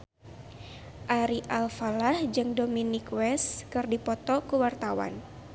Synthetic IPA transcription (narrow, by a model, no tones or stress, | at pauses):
ʔaɾiʔalfalahd͡ʒɨŋdominikwɛskɨrdipɔt̪ɔkuwart̪awa̰n